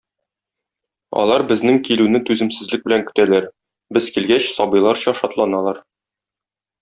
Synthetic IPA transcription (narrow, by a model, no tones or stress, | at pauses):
ɒ̰lˠɑɾbɘ̆znɘŋkilʉnɘt̪ʉzɘ̆msɘ̆zlɘk̚bɘ̆læŋkɵ̥̆t̪ælæɾ | bɘz̥kilɡæɕsɒbɤjlˠɑɾɕɒʃɒt̪lˠɑnɑlˠɑɾ